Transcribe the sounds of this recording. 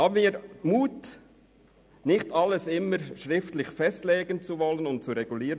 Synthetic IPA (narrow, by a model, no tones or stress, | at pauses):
hɑːbəniːɾmuːt | nɪxtɑlːəsɪməɾʃɾɪftlɪçfɛstleːɡənt͡suvɔlənʊnt̚t͡suɾɛɡuliːɾə